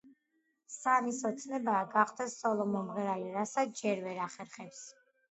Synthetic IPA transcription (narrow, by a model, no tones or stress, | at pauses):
samisɔt̪sʰnɛbaːɡaqʰʼd̪ɛsːɔlˠɔmɔmʁɛɾaliɾasasd͡ʒɛɾvɛɾaχɛɾχɛps